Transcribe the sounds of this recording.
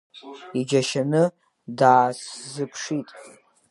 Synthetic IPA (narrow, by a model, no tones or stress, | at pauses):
id͡ʒaʃanɨ | daːszɨpʰʂitʼ